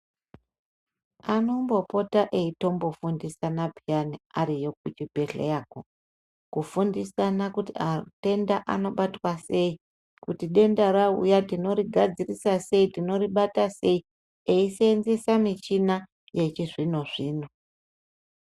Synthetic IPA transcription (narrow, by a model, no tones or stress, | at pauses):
ano̞mbo̞po̞taʔeito̞mbo̞fundisanabʱianiaɾijo̞kut͡ʃibʱe̞ɬḛjaːko | kufundisanakutiate̞ndaʔano̞ɓatwase̞i | kutiɗe̞ndaɾaṵjatino̞ɾiɡʱad͡zirisase̞itino̞riɓatase̞i | eiseːnzesamit͡ʃina | je̞t͡ʃiʐinoʐiːno